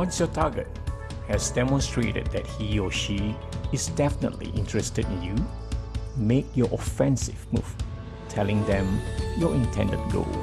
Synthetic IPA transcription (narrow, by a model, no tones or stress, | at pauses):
wɔ̃nsjɔtʰaɡət̚ | hɛsdɛmɔ̃nstɹḛtə̰d̚d̪ɛt̚hiɔʃi | ɪsdɛfənə̰tlḭʔɪ̃ntɹəstədĩnju | mek̚jɔʔɔfɛ̃nsɪvmṵv̥ | tʰɛlɪ̃ŋd̪ɛ̃mjɔɪ̃ntʰɛ̰̃ndə̰̃nɡo̰